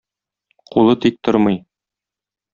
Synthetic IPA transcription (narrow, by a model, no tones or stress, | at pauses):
qulˠɤt̪ik̚t̪oɾmɤj